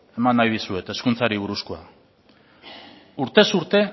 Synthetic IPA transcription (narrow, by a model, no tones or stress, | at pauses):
e̞manːajðisue̞t̪e̞skunt͡saɾiβ̞uɾuskoa | uɾt̪e̞suɾt̪e̞